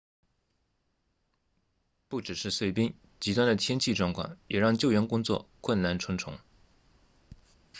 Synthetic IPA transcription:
pu˥˩ʈ͡ʂɻ̩˨˩ʂɻ̩˥˧swe˥˩ɪpi˥ŋ | t͡ɕi˧˥wa˥nd̪ə˨t̪ʰjɛ˥nt͡ɕʰi˥˧ʈ͡ʂwɑ˥˧ŋkʰwɑ̰˥˩ŋjɛ˨˩ɻɑ˥˧ŋt͡ɕjo˥˩ʊɥɛ˧˥nkʊ˥ŋt͡swɔ̰˥˧kʰwə˥˩nna˥˩nʈ͡ʂʰwə˧˥ŋʈ͡ʂʰʊ̰˧˥ŋ

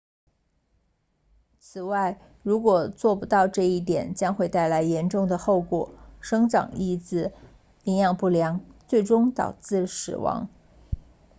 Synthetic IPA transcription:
t͡sʰɹ̩˨˩wa˥˩ɪ | ɻu˧˥kwɔ˨˩t͡swɔ˥˩pu˧˥t̪ɑ˥˧ʊʈ͡ʂɤ˥˧i˥˩t̪jɛ˨˩˦nt͡ɕjɑ˥ŋxwe˥˧ɪt̪a˥˩ɪla˧˥ɪjɛ˧˥nʈ͡ʂʊ˥˩ŋd̪ə˩xo˥˩ʊkwɔ̰˨˩˦ʂɤ˥ŋʈ͡ʂɑ̰˨˩ŋi˥˩t͡sɹ̩˥˩ | i˧˥njɑ˥˧ŋpu˥˩ljɑ˧˥ŋt͡swe˥˩ɪʈ͡ʂʊ˥ŋt̪ɑ̰˨˩ʊt͡sɹ̩˥˩ʂɻ̩̰˨˩wɑ̰˧˥ŋ

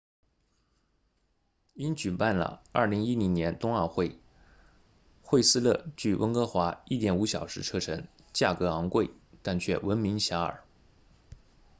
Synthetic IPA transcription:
i˥nt͡ɕy˨˩pa˥˩nlə̰˩ɐ̰˥˩li˧˥ŋi˥li˧˥ŋnjɛ˧˥nt̪ʊ˥ŋə˞˥˧xwe˥˧ɪ | xwe˥˧ɪsɹ̩˥lɤ˥˧t͡ɕy˥˩wʔə̰˧˥ŋkɤ˥xwa˧˥i˥˩t̪jɛ˨˩nu˧˥ɕjɑ˨˩ʊʂɻ̩˧˥ʈ͡ʂʰɤ˥˧ʈ͡ʂʰɤ˧˥ŋ | t͡ɕja˥˩kɤ˧˥ɑ˧˥ŋkwe˥˧ɪt̪a˥˧nt͡ɕʰɥɛ̰˥˩wə˧˥nmi˧˥ŋɕja˧˥ə̰˞˨˩˦

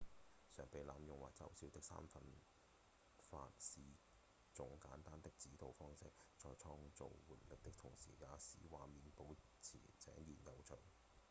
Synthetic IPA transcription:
sœː˨˩ŋpe˨˧jlaː˨˧mjʊ˨ŋwaː˨˩k̚t͡sɐ̰˥wsiː˨˥wt̪ɪ˥k̚sa̰ː˥mfɐ˨˧n | fa̰ː˧t̚siː˨ | t͡sʊ˨˥ŋkaː˨˥nt̪aː˥nt̪ɪ˥k̚t͡siː˨˥t̪o˨wfɔː˥ŋsɪ̰˥k̚t͡ʃɔː˧jt͡sʰɔː˥ŋt͡so̰˨wwuː˨t̚lɪ˨k̚t̪ɪ˥kt̪ʰʊ˨˩ŋsḭː˨˩jaː˨˧sḭː˨˥waː˨miː˨˧npo˨˧˥w | t͡sʰḭː˨˩t͡sɛ̰ː˨˥ŋjiː˨˩njɐ˨˧wt͡ʃʰɵ˨˩ŋ

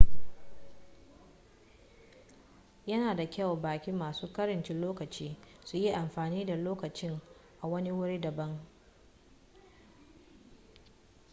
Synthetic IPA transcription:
jɐ˦naː˨da˨kʲɐ˦˨wbaː˨kʲi˦mːaː˨suː˦kɐ˦ɾɐ˨nt͡ʃɪ˦loː˦kɐ˨t͡ʃiː˦su˨ji˦ʔa˨mɸaː˨niː˦da˨loː˦kɐ˨t͡ʃɪ˦ŋʔa˨wɐ˦ni˦wʊ˦ɽi˦dɐ˨bɐ˦ŋ

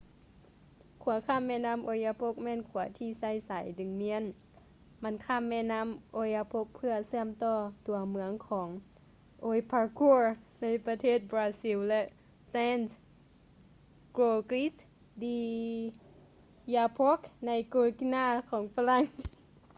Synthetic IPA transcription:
kʰu˨˩˦ɐkʰaː˧˥˩mːɛ˧˥˨naː˧˥˨mʔo˧˦jaː˧pʰo˧˥˦k̚mɛː˧˥˨nkʰu˩˦ɐt̪ʰiː˧˩sa˧˥˩jsa˨˦jdɯ˨˦ŋmi˧˥ə˨n | ma˧˥˨nkʰaː˧˥˨mːɛː˧˥˨naː˧˥˨mʔoː˧˥ja˧pʰo˧˥k̚pʰɯ˧ɐsɯ˧əmt̪ɔː˧˩t̪u˨˩˦ɐmɯ˧˦əŋkʰɔː˩˦ŋ | ʔoː˧˥jpʰaː˧˥ku˧˥na˧˥˨jpa˧t̪ʰeː˧˥˨t̪̚bɾaː˧˥si˧˥wlɛ˧˥ʔ | sɛː˧˥˨ns | kɾoː˧˩kli˧˦˥s | diː˧ | jaː˧pʰo˦˥k̚na˧˥jkoː˧ki˧naː˧˨kʰɔː˨˦ŋfa˧la˧˥˨ŋ

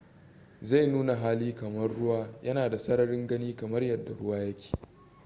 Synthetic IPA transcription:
za˦˨jnuː˦na˨ɦaː˦liː˦kɐ˨mɐ˦rːʊ˦waː˦jɐ˦naː˨da˨sɐ˦ɽɐ˨ɽɪ˦ŋɡɐ˦niː˦kɐ˨mɐ˦rjɐ˨dːa̰˨ɽʊ˦waː˦jɐ˦kʲe̥ː˨

